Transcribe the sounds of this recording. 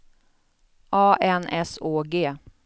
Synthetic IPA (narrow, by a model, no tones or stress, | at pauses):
ʔɑːʔɛnɛsoːɡeː